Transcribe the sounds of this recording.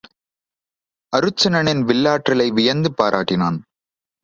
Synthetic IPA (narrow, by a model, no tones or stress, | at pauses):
ɐɾɯt͡ʃːɐnɐnɪnʋɪɭːaːʈrɪlɐɪʋɪjɐnd̪ɯpːaːɾʔa̰ːʈːɪnaːn